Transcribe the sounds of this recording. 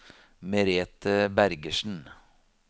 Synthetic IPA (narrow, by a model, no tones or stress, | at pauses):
mɛɾeːt̪əbæɾɡəʃn̩